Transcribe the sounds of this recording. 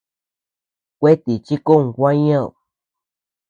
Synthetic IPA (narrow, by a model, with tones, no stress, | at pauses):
kʷe˦t̪i˨t͡ʃi˦ku˦˧ŋ˨kʷã˦ɲã˦˨